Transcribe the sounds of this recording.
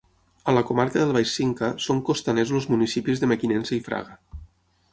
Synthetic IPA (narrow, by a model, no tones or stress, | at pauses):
ələkomaɾkəðəlˠβajsiŋkəsoŋkost̪anezlozmunisipizðəməkinɛnsəifɾa̰ɣə